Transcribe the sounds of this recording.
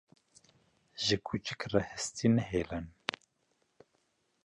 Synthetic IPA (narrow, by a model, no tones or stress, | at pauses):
ʒəkʰut͡ʃɨkrɛhəst̪ʰinɛɦeːlɛn